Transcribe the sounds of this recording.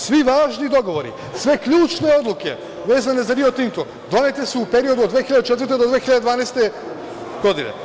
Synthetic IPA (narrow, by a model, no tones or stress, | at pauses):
svivaːʒnid̪oɡoʋoɾḭ | svɛkʎut͡ʃneod̪lˠukɛ̰ | veːzanezaɾiot̪iŋt̪o | d̪onɛt̪ɛsɛupeɾiod̪uod̪vexiʎad̪ɛt͡ʃɛt̪vɾt̪ed̪od̪vexilʎad̪ed̪vaːnajst̪ɛ | ɡ̥od̪inɛ̰